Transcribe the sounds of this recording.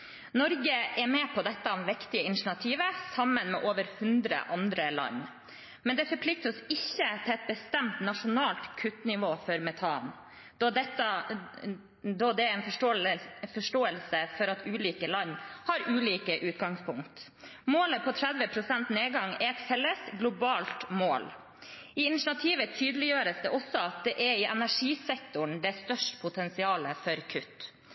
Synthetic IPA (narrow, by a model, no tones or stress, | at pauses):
nɔɾɡəʔɛmɛpʰɔd̪ɛt̪ːəʊmʋɪkt̪ɪəɪnɪʂɳɑt̪ʰiːʋəsɑmːənmɛ̰ʔoːʋəɾhʉnd̪ɾə̰ʔɑnd̪ɾəlɑ̰n | mɛnd̪ɛfɔɾpʰlɪk̚t̪əɔsɪçːət̪ʰɪlɛt̪̚bəst̪ɛmt̪nɑʂʊnɑːlt̪kʰʉt̪nɪʋoːfɔɾmɛt̪ʰɑːn | d̪ɔd̪ɛt̪ːə | d̪ɔd̪ɛɛnfɔ | fɔʂʈoːəlsəfɔɾɑt̪ʉːliːkəlɑnːhɑɾʔʉːliːkəʔʉːt̪ɡɑŋspʰʊŋkt̪ | moːləpʰɔt̪ʰɾɛd̪ʋəpʰɾʊsɛnt̪neːɡɑŋɛɛt̪fɛlːəsɡlʊbɑːlt̪moːl | ɪɪnɪʃɳɑt̪ʰiːʋət̪ʰyːd̪əlɪjøːɾəsd̪ɛʔɔsːɔɑt̪̚d̪ɛʔɛɪʔɛnæʂiːsɛkt̪ʊɳd̪ɛst̪œʂʈpʰʊt̪ʰɛnsɪɑːləfɔɾkʰʉt̪ː